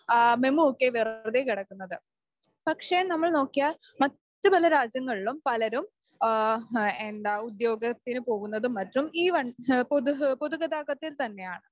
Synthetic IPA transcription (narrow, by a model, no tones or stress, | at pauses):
memuokːeʋirðekiɽɐkːunːɐðɨ | pɐkʂenɐmːɐɭno̞ːkːijalmɐtːɨpɐlɐɾaːd͡ʑjɐŋːɐɭiɭumpɐlɐɾum | end̪aːud̪jo̞ːɡɐt̪ːinɨpo̞ːɣunːɐðumːɐtːumiːʋɐɳpoupoðuɣɐd̪aːɣɐt̪ːilt̪ɐnːe̞jaːɳɨ